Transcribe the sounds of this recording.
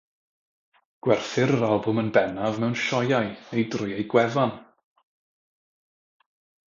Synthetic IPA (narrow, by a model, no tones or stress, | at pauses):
ɡ̥wɛrfɨɾəɾalˠbʊmənbɛnavmɛwnʃɔjajejdrʊjejɡwɛvan